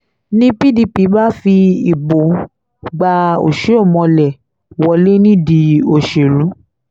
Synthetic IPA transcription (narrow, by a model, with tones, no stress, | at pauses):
nĩ˦pi˦di˧pi˨˦ba˦fi˧i˨bo˨ | ɡ͡ba˧o̰˨ʃe˨˦o˦˨mɔ̃˧lɛ˨ | wɔ˨˧le˦nĩ˦˨di˨˧˦o˨ʃe˨lũ˨˦